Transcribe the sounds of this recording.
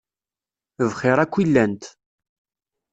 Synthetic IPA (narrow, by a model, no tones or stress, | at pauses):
əvχɪɾˤækʷːilːænt̪